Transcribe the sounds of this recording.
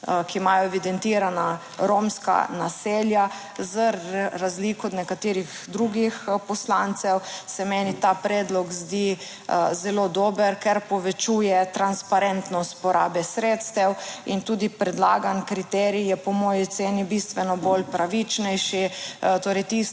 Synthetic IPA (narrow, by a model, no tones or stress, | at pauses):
kimajɔɛʋid̪ɛnt̪iːɾana | ɾomska̰na̰seːlja | zəːazliːkɔd̪nɛkat̪ɪːɾixd̪ɾuɡixpɔslant̪sɛwsɛmɛnit̪apɾɛd̪lɔɡzd̪i | zɛloːd̪oːbəɾkɛɾpɔʋɛt͡ʃujɛt̪ɾanspaɾɛnt̪nɔst̪̚pɔɾʔa̰ːbɛsɾeːt̪st̪ɛwint̪uːd̪ipɾɛd̪laːɡankɾit̪ɛɾijɛpɔmɔjit̪seːnibist̪ʋɛnɔbolpɾaʋit͡ʃnɛjʃit̪oːɾɛjt̪is